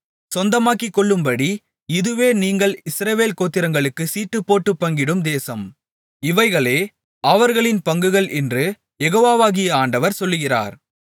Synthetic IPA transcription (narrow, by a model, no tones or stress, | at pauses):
sɔnd̪ɐmaːkɪkːɔɭːɯmbɐɽi | ɪðɯʋeːniːŋɡɐɭɪsɾɐʋeːlkoːt̪ːɪɾɐŋɡɐɭɯkːɯsiːʈːɯpːoːʈːɯpːɐŋɡɪɽɯmd̪eːsɐm | ɪʋɐɪɣɐɭeː | ɐʋɐɾɣɐɭɪnpɐŋɡɯɣɐɭʔɛndrɯ | jɛɣoːʋaːʋaːɣɪjɐaːɳɖɐʋɐɾsɔlːɯɣɪra̰ːɾ